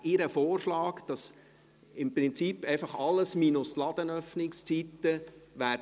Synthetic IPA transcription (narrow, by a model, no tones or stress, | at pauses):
ɪɾəfoːrʃlɑːkd̥ɑs | ɪmpɾɪnt͡sipːɛɪfɑχɑlːəsmiːnʊslɑd̪̥ənœfnɪkst͡sit̪ːəʋæː